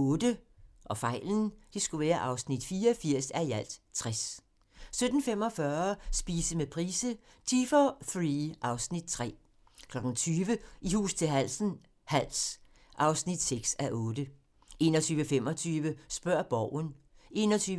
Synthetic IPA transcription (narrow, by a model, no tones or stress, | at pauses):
ɔ̽ːd̥ə | ʔɒ̽fɑ̈ɪ̰ln̩d̥isɡ̥uʋæːɐʔɑ̈ʊsnid̥fiːɐɒfiɐ̰sæɐjæl̰d̥t͡sʰʁɛs | sød̥n̩fem̰ɒ̽fɶɐsb̥iːsəmepʰʁiːsə | t͡sʰifɒfʁiʔɑ̈ʊsnid̥̚t͡sʰʁɛ̰ː | kʰlɒ̽ɡ̥ŋ̩t͡sʰyːʋəʔihṵːst͡sʰe̝lɦæl̰sn̩ | hæl̰s | ʔɑ̈ʊsnid̥seɡ̥sæʔɔ̽ːd̥ə | ʔe̝ːnɒt͡sʰyːʋəfem̰ɒ̽t͡sʰyːʋəsb̥ɶɐ̰b̥ɒʊ̰n | e̝̰ːnɒt͡sʰyː